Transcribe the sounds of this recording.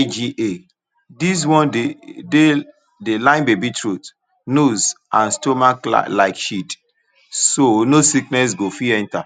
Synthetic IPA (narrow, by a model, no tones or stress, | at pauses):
d͡ʒie | dis̬wɔ̃nede | delãɪ̃nbebitʰɹut | nozãnstomakla̰laɪkʃit | sonosiknɛs̬ɡofiɛ̃nta